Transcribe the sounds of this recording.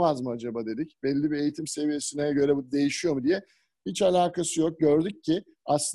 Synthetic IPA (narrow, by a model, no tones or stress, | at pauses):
mazmɯad͡ʒabaːd̪e̞d̪icbɛlʲːibie̞jit̪ʰimse̞vije̞sinɛɟø̞ɾɛbud̪e̞jiʃijo̞mud̪ijɛ | hit͡ʃalʲaːkʰasɯjo̞k̚ɟø̞ɾd̪yccʰːɪ | aslˠɯ